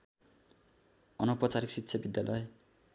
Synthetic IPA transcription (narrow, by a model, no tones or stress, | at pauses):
ʌnʌpʌt͡saɾiksit̪ːsʰʌbid̪jalʌj